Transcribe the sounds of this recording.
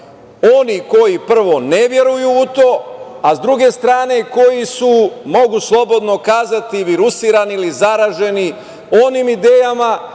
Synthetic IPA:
o̞niko̞jipr̩ʋo̞neʋje̞ɾujuut̪o̞ːazd̪ɾuɡe̞st̪ɾaːne̞ko̞jisumo̞ɡuslˠo̞bo̞d̪no̞kaːzat̪iʋiɾusiːɾaniilizaɾaːʒe̞ni | onimid̪e̞ːjama

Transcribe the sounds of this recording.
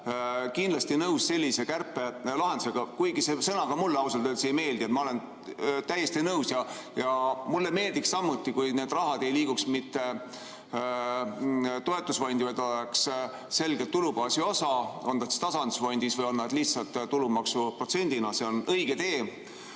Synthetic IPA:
kind̪lɑst̪inɤwsse̞lʲːise̞kærpːˑe̞lɑɦed̪̥use̞ɡ̥ɑkujɡisesɤnɑɡ̥ɑmulːɑwselt̪øːlsejme̞ːld̪ie̞t̪mɑo̞len | t̪æje̞st̪inɤwsjɑ | jɑmulːeme̞ːld̪̥ikssɑmːut̪ʲːˑikujne̞ːd̪̥rɑɦɑd̪̥e̞jliːɡ̥uksmit̪ːe̞ | t̪o̞e̞t̪ːˑusvɑjnd̪ivɑt̪oleks | se̞lɡ̥et̪ːulubɑːsio̞sɑo̞nːɑt̪se̥t̪ɑsɑnd̪usfojnʲd̪̥isvɤjo̞nːɑd̪̥liht̪sɑlt̪ːt̪ːulumɑksupro̞t̪se̞nʲd̪̥inɑse̞o̞nɤjɡ̥e̞t̪e̞ː

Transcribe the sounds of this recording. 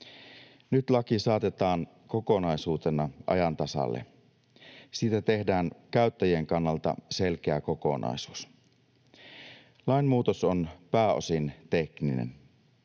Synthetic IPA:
nyt̪lɑkisɑːt̪e̞t̪ɑːŋ | ko̞ko̞nɑjsuːt̪e̞nɑʔɑ̰jɑnt̪ɑsɑ̰lːḛ | siːt̪æt̪e̞hdæːŋkæyt̪ːæjieŋkɑnːɑlt̪ɑ̰se̞lk̟eæko̞ko̞̰nɑ̰jsu̥ːs | lɑinmuːt̪osonpæːo̞̰sint̪e̞kninḛn

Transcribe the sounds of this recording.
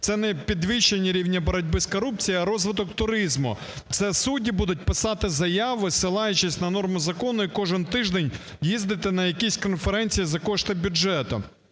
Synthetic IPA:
t̪sɛnɛpʲid̪ʋʲiʃt͡ʃːenʲːɐɾʲiwnʲɐbɐɾɐdʲbɪskɔɾupt͡sʲijiɐɾɔzʋɪd̪ɔkt̪ʊɾɪzmʊ̰ | t̪sɛsudʲibud̪ʊt̚ʲpɪsɑt̪ɪzɐjɑʋɪsɪlˠɑjʊt͡ʃɪsʲnɐnɔrmʊzɐkɔnʊikɔʒɪnt̪ɪʒd̪enʲ | jizd̪ɪt̪ɪnɐjɐkʲisʲkɔnfeɾɛnʲt͡sʲijizɐkɔʃt̪ɪbʲʊd͡ʒɛt̪ʊ̰

